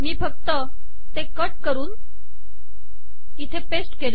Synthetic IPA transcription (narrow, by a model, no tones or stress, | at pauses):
miːfək̚t̪ə | t̪ekəʈkəɾuːn | it̪ʰepesʈkel